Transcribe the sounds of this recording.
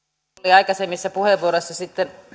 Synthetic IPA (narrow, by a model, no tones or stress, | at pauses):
liɑikɑsemːisːɑpuheʋːuoɾosːɑsit̪ːen